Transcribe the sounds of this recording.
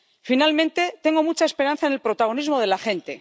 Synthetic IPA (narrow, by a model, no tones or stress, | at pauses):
finalmẽnt̪e̞t̪e̞ŋɡomut͡ʃaespe̞ɾanθaenelpɾo̞t̪aɣ̞o̞nizmo̞ð̞e̞laxe̞nt̪e̞